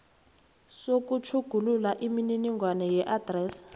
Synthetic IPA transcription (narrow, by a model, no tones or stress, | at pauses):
sok̬ut͡ʃʰuɡ̥ʱululaʔimininiŋɡʱwanɛjɛʔad̥rɛːs